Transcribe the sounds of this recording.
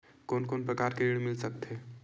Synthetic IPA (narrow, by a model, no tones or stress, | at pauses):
koːnkonpɾəkaɾkeɾiɽmɪlsək̚t̪ʰe